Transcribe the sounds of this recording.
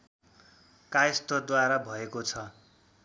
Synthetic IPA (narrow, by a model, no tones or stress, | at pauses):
kajst̪ʌd̪waɾabʱʌekot͡sʰʌ